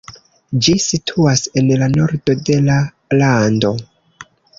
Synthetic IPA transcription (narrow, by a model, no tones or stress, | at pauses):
d͡ʒisitʰuase̞nlano̞ɾdo̞de̞la | lando̞